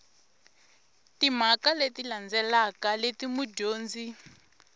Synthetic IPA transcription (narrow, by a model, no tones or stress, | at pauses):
tim̤akaletiland͡zɛlakaletimuɟoːnd͡zi